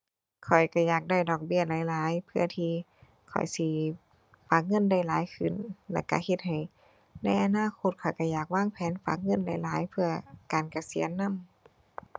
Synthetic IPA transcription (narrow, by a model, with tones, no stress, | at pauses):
kʰɔ˨˩jka˧˩jaː˨˩k̚da˧˩jdɔː˨˩k̚bi˧˥˨ɐlaː˨˦jlaː˨˦jpʰɯ˧˩ɐt̪ʰiː˧ | kʰɔ̰˨˩jsi˧ | faː˨˧˩k̚ŋɤ˧˥˨nda˧˩˨jlaː˨˦jkʰɯ˧˩nlɛ̰˧˩ka̰˧˩he˧t̪̚ha˨˩j | na˧˥˩jʔa˧naː˧˥˨kʰo˧˥t̪̚kʰɔ˨˩jka˧˩jaː˨˩k̚waː˧˥˨ŋpʰɛː˨˦nfa̰ː˨˦˩k̚ŋɤ˧˥˨nda˧˩jlaː˨˦jpʰɯ˧ɐkaː˨˩nka˧si˨˦ənːa˧˥˨m